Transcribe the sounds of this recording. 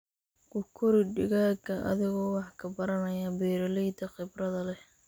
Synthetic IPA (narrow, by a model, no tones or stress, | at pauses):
kʰʊkʰʊɾɪɖɪɣaːɡɐʔɐ̰ðɪɣɔːwɑħkʰɐbɐɾɐnɐjɐbɛːɾɐlɛjd̪ɐqɪbrɐðɐlɛ